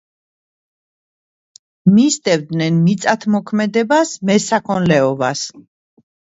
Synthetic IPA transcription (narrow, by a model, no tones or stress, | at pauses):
mist̪ʼɛvd̪nɛnmit̪sʼat̪ʰmɔkʰmɛd̪ɛbasmɛsakʰɔnlɛɔvas